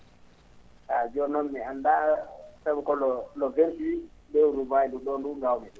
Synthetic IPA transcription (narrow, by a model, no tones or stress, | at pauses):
ad͡ʒɔnɔmːiandasaɓɛkɔlɔlɔventibɛwɾubajduɗɔnduŋɡawmi